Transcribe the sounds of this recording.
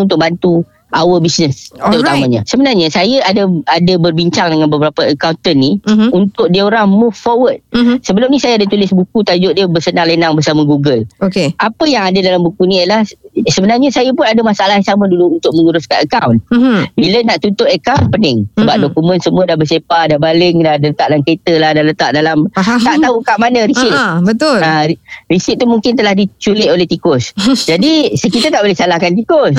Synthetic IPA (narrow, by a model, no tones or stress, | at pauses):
unt̪ʊk̚bant̪u | awəbisnəst̪əɾut̪ammãɲasəbənarɲasajaʔadaadabərbiɲt͡ʃaŋdəŋanbəbəɾapəəkawnt̪ənːiunt̪ʊk̚diəoɾaŋmufːɔwət̪̚səbəlʊmnisajaadat̪ulɪsbukut̪ad͡ʒʊʔdiəbərsənaŋlənaŋbərsamãɡuɡəlokeapəjaŋadadalambukuniəlahsəbənarɲasajəpʊnadəmasaalasamə̃duluːnt̪ʊk̚məŋuɾʊskanəkawnbilənaʔt̪unt̪ʊt̪əkawnpənɪŋsəbap̚dokumə̃nsəmũədahbəsepadahbalɪŋdahdələt̪aʔ̚daamket̪əlahdalət̪aʔ̚dalamt̪aʔt̪aɦukaʔmanə̃ɾisɪt̪̚bət̪ʊlarisɪt̪̚t̪ːumuŋkɪnt̪əlahdit͡ʃulɪʔ̪oleht̪ikʊsd͡ʒadisəkit̪at̪aʔbolɛhsalahkant̪ikʊs